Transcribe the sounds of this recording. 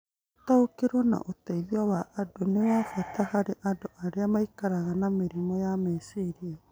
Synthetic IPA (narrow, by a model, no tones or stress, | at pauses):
taokeɾwɔna̰ʔotaiðiawaʔːdonewafatʰahaɾeʔadoʔaɾeamaikaɾaɣanameɾimɔjamesiɾia